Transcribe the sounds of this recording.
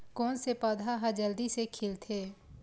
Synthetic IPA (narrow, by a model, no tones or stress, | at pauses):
kɔːnsepəd̪ʱaɦəd͡ʒəld̪isekʰɪlt̪ʰeː